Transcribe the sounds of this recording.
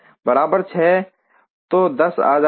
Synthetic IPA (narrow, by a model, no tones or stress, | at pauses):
bəɾaːbəɾt͡ʃʰɛː | t̪oːd̪ɐsa̰ːz